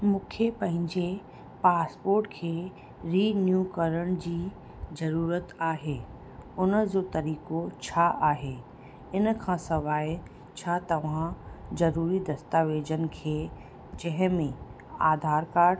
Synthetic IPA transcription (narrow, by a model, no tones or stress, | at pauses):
mũːkʰepɐ̃ɦɪ̃ɲd͡ʑe | paːspoːɾʈkʰeː | ɾinjukɐɾəɽ̃d͡ʑiː | zɐɾuːɾət̪aːɦeː | ʊnəd͡ʑot̪ɐɾiːkot͡ɕʰaʔaːɦeː | ɪnəkʰãːsɐʋaːj | t͡ɕʰat̪ɐʋ̤ãzɐɾuːɾid̪ɐst̪aːʋeːd͡ʑən̆kʰeː | d͡ʑɐɦɪ̃mẽ | aːd̪ʱaːɾkaːɾ